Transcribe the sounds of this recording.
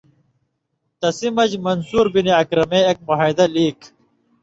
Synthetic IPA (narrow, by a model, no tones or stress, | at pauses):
t̪ɐsimɐd͡ʑmɐnsuːɾbiniɐkɾɐmeːek̚moɦajd̪ɐliːk